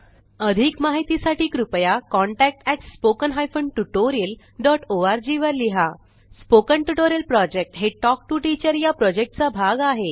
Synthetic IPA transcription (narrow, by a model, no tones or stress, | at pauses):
əd̪ʱikmaɦit̪isaʈʰiːkɾupjakɔɳʈæk̚ʈɛʈspokənɦajfəɳɖʈuʈoɾiil | ɖɔʈʰoaɾd͡ʑiʋəɾliɦa | spokəɳʈuʈoɾiəlpɾɔd͡ʑek̚ʈɦeʈɔk̚ʈuʈit͡ɕəɾjapɾɔd͡ʑek̚ʈt͡sabʱaɡaɦe